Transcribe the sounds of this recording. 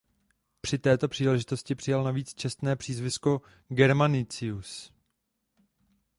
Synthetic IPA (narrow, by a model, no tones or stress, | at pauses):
pr̝̥ɪt̪ɛːt̪o̞pr̝̥iːlɛʒɪt̪o̞scɪpr̥ɪjalnaviːt͡st͡ʃɛst̪nɛːpr̥iːzvɪsko | ɡɛɾmanɪt͡sɪus